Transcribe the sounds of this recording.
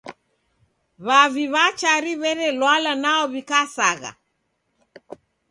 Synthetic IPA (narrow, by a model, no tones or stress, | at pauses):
βaβiβat͡ʃaɾiβɛɾɛlwalanaɔβikasaɣa̰